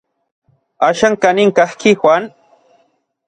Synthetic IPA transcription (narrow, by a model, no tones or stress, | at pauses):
aʃaŋkanɪŋkahkɪxʷwan